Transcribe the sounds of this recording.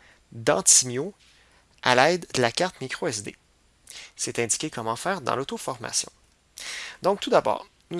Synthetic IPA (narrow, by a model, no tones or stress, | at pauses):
d̪ɑ̰̃t̪imjo | a̰lɛɪd̪ːəlakaʁt̪mikχoɛzd̪ḛ | sɛt̪ɛ̃d̪i̥kʲekʰɔmɑ̃fɛːʁd̪ɑ̰̃lot̪ofɔʁma̰sjɔ̰̃ | d̪ɔ̃k̚t̪ud̪abɑ̰ːʁ | nu